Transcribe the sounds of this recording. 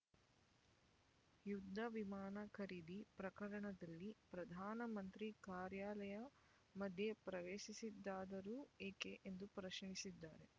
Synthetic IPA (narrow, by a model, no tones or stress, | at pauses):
jud̪ʱːɐʋimaːnɐkɐɾid̪ipɾɐkɐɾɐɳɐd̪ɐlːipɾɐd̪ʱaːnɐmɐnt̪ɾikaːɾjaːlɐjɐ | mɐd̪ʱjepɾɐʋeːʃisid̪ːaːd̪ɐɾuːeːkeʔend̪upɾɐʃɐɳisid̪ːaːɾe̞